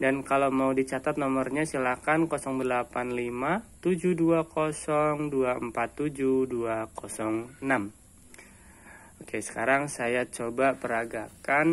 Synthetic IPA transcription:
dankalamaudit͡ʃat̪at̪̚nɔmərɲasilakankosɔŋdəlapanlimat̪ud͡ʒuduakosɔŋduaəmpat̪ːud͡ʒuduakosɔŋnam | okesə̥kaɾaŋsajat͡ʃobapəɾaɡakan

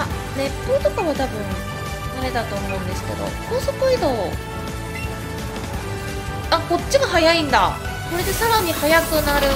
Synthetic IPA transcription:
a | ne̞pːo̞ːt̪o̞kaβat̪abɯ̟̃ɴ | j̪aɾe̞d̪at̪o̞ːmõ̞ːnd̪e̞sɨ̥ke̞̰d̪o̞̰kʰoːsokɯid̪o̞ | ako̞t͡ɕːiɡaɦajaĩnd̪a̰ko̞ɾe̞d̪e̞saɾaɲ̟ihajakɯ̟naɾɯ̟

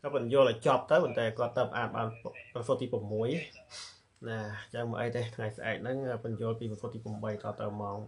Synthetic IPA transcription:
kɑpɨnjʊ̆əlʔat͡ɕŏp̚t̪əwmənt̪aːkŏət̪ːəpʔaːt̪̚ɓaːnprəsot̪̚t̪iːprəmːuəj | naːt͡ɕəŋmə̰ʔəjt̪et̪ʰŋajsʔaɛk̚nɨŋəːpɨnjʊ̆əlpiːpəsot̪̚iːpəmɓəjt̪ɑːt̪əwmaɔŋ

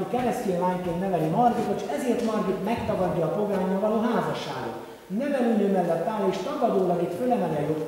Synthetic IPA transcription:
ikɛlɛst̪ilajkennɛvɛlimɒrɡit̪ot͡ʃɛzeːrt̪mɒrɡit̪mɛkt̪ɒɡɒd̪ːɒːpo̞ɡaːɲomːɒlɒɦaːzɒʃːa̰ːɡo̰ | nɛvɛlynøːmɛlːɛt̪ːaːleːʃt̪ɒɡɒd̪oːlɒɡit̪følɛmɛlɛjot̪

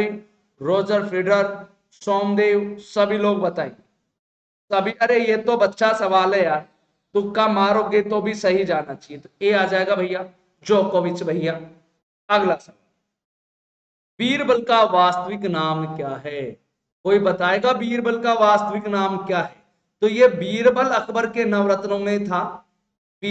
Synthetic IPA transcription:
e | ɾoːd͡ʒəɾpʰɾɪɖəɾ | sɔːmd̪eːwsəbʱiloːɡbət̪aːḛ̃ŋɡe | sɐbʱiʔɐɾejet̪obɐt̪ːʃʰasɐʋaːlɦɛjaːɾ | d̪ʊkːamaːɾoːɡet̪obʱisɐɦid͡ʒaːnat͡ʃaːɦiet̪oeaːd͡ʒaːeɡabʱəɪja | d͡ʒoːkoʋɪt͡ʃbʱɐɪja | ɐɡlasɐʋaːl | biːɾbəlkaʋaːst̪əʋɪknaːmkjaːɦɛ | koːibət̪aːeːɡabiːɾbəlkaʋaːst̪əʋɪknaːmkjaːɦɛː | t̪ojebiːɾbəlɐkʰbəɾkenɐʋɾət̪nõmẽt̪ʰaː | b

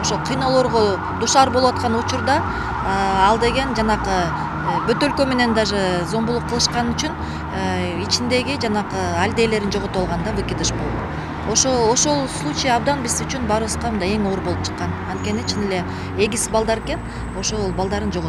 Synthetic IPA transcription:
oʃolˠqʰijno̞lˠo̞ɾʁo | d̪uʃɑɾbo̞lˠuwɑt̪̚qɑnut͡ʃuɾd̪ɑ | ɑlˠd̪e̞ɡe̞nd͡ʒɑnɑqɯ | bø̞t̪ø̞lkø̞me̞ne̞nd̪ɑʒɨzo̞mbulˠuqʰːɯlˠɯʃqɑnyt͡ʃyn | it͡ʃind̪e̞ɡid͡ʒɑnɑqɯalʲd̪e̞jle̞ɾind͡ʒo̞ʁo̞t̪uɑlˠʁɑnd̪ɑbɯkʲid̪ɯʃbolˠd̪ | oʃoo̞ʃo̞lˠslˠut͡ʃijɑɑb̚d̪ɑnbizyt͡ʃynbɑɾɯβɯsqɑɯnd̪ɑe̞ŋo̞ɾbolˠup̚t͡ʃʰɨ̥qːɑnɑnt̪̚ke̞nit͡ʃʰinele̞ | eɡʲisbɑlˠd̪ɑɾeke̞n | o̞ʃo̞lˠbɑlˠd̪ɑɾɯnd͡ʒo̞ʁo

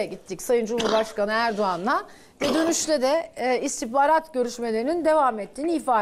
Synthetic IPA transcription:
ɛɟit̪ʰːicsajɯnd͡ʒumhuɾbaʃkanɯæɾd̪oanlˠa | vɛd̪ønyʃlʲɛd̪ɛist̪ʰibaːɾat̪ɟø̞ɾyʃmelʲe̞ɾinind̪e̞vamɛt̪ʰːiːniifaː

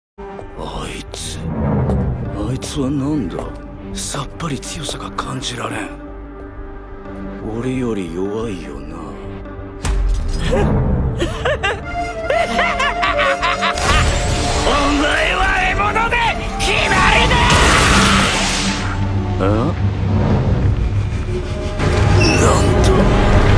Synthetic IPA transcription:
ait͡sɨ̥ | ait͡sɨβanãnd̪a̰ | sapːaɾʲit͡sɨjo̞saɡakʰãɲd͡ʑiɾaɾẽɴ | oɾejo̞ɾʲijoβaijo̰na̰ | õŋɡaβaimonod̪e | çimaɾine | a | nãnt̪o

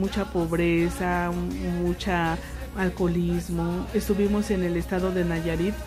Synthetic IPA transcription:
mut͡ʃapo̞βɾesamut͡ʃa | alko̞lizmo̞est̪uβimo̞se̞ne̞lest̪aðo̞ðe̞naʝaɾit̪

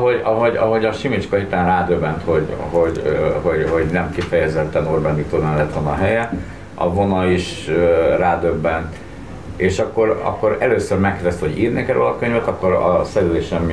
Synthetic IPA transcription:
ɦoɟɒɦo̞ɟɒɦo̞ɟɒʃimit͡ʃkɒɦit̪aːnraːd̪øbːɛnt̪ho̞ɟɦoɟho̞ɟhoɟnɛmkifɛjɛzɛt̪ːɛnorbɛnːit̪onɛlːɛt̪ʋɒnɒɦɛjɛ | ɒ̰vo̞nɒiʃøraːd̪ø̞bːɛnt̪ | eːʃɒkːo̞ɾɒ̰kːo̞ɾɛløːsørmɛkːɛrd̪ɛst̪ho̞ɟiːrneːkɛɾø̰ːlɒkø̞ɲvɛt̪ɒkːo̞ɾɒ̰sɛɾyleːʃɛm

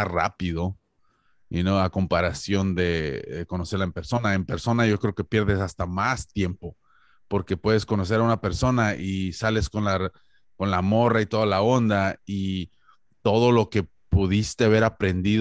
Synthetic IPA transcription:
ara̰piðo̞ | inoako̞mpaɾasjo̞nd̪e̞ðeko̞no̞se̞ɾlaempe̞ɾso̞nae̞mpe̞ɾso̞naʝo̞kɾe̞oke̞pje̞ɾðe̞sast̪amast̪je̞mpo̞ | po̞ɾke̞pwe̞ðe̞sko̞no̞s̬e̞ɾaunape̞ɾso̞naʔisale̞sko̞nla | ko̞nlamo̞rait̪o̞ðalao̞nd̪ai | t̪o̞ð̞o̞lo̞ke̞ | puðist̪eβe̞ɾapɾe̞nd̪ið

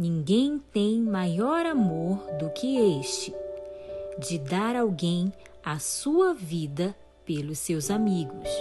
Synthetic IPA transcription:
nĩŋɡẽj̃t̪ẽj̃majɔɾamoɾd̪ʊkʰɪeʃt͡ʃɪ | d͡ʒɪd̪aɾawɡẽj̃ | asuɐvid̪ɐ | pelʊsewzamiɡʊs

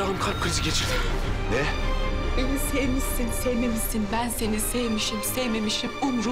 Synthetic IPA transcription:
aɦɯmkʰaɾp̚kːʰɯɾiziɡɟet͡ʃʰiɾd̪inɛ | enisejmisinsejme̞misinbænse̞nisejmiʃimsɛjme̞miʃimunɾu

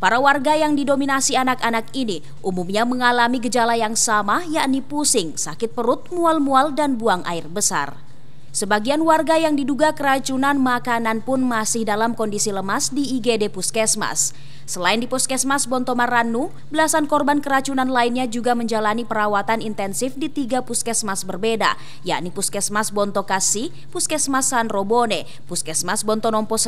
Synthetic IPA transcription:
paɾawarɡajaŋdidominasianakanakini | ʔumumɲaməŋalamiɡəd͡ʒalajaŋsamajaʔnipusɪŋsakɪt̪̚pəɾʊt̪̚mualmualdanbuaŋʔa̰ɪrbəsa̰r | səbaɡianwarɡajaŋdiduɡakəɾat͡ʃunanmakananpʊnmasɪhdalamkɔndisiləmasdiːɡedepuskɛsma̰sː | əlaɪndipɔskɛsmasbɔnt̪ɔmaranːu | bəlasankɔrbankəɾat͡ʃunanlaɪnɲad͡ʒuɡaməɲd͡ʒalanipəɾawat̪anint̪ɛnsɪfdit̪iɡapuskɛsmasbərbeda̰ | ja̰ʔnipuskɛsmasbɔnt̪ɔkasi | puskɛsmasːanrobone | puskɛsmasbɔnt̪ɔnɔmpɔs

